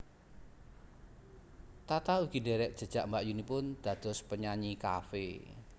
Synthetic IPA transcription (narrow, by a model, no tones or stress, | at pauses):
t̪at̪auɡ̥i̤ndeɾɛʔ̚d̥ʒ̥ə̤d̥ʒ̥aʔmbaʔjunipʊnd̪̥ä̤d̪̥ɔ̤spəɲaɲika̰fḛ